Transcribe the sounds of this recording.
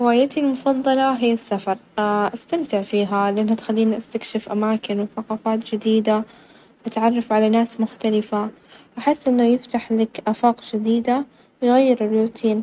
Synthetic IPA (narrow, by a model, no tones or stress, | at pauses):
ɾɪwaːjat̪ilmʊfɑðˤːɑlɑɦɪjːasːafɑɾˤʔast̪amt̪ɪʕfiːɦalɪʔanːhat̪xalːiːnʔast̪akʃɪfʔamaːkɪnwɪθaqɑːfaːt̪d͡ʒɪd̪iːd̪a | ʔat̪ʕɑrˤːɑfʕalanaːsmʊxt̪alɪfa | ʔaħɪsːʔɪnːajɪft̪aħlɪkʔaːfɑːqd͡ʒɪd̪iːd̪a | wɣajːɪɾɪrːuːt̪ʰiːn